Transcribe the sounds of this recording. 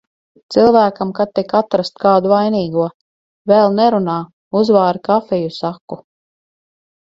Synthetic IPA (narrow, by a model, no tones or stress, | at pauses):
t̪silˠvæːkamkat̪ːikat̪ɾast̪kaːd̪uvajniːɡuɔ | vɛlˠnɛɾunaː | uzvaːɾikafɛjusakːu